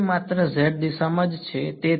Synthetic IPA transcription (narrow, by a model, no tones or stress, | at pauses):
mat̪ɾəzeʈ̚d̪isəməd͡ʒt͡ʃʰet̪e